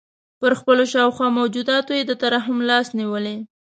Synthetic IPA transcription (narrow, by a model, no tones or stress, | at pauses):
pəɾxpəloʃɑwxwɑmawd͡ʒud̪ɑt̪ojed̪ət̪aɾɑɦʊmlɑsniwəle